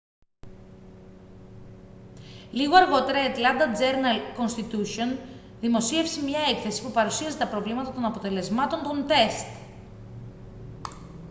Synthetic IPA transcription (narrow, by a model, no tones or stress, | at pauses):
liɣo̞ɐɾɣo̞t̪e̞ɾɐet̪lɐnd̪ɐd͡ze̞ɾnɐlko̞nst̪it̪usion | ðimo̞sie̞fsimɲɐe̞kθe̞si̥pupɐɾusiɐzet̪ɐpɾo̞vlimɐt̪ɐt̪o̞nɐpo̞t̪e̞le̞zmɐt̪o̞nt̪o̞nt̪e̞st̪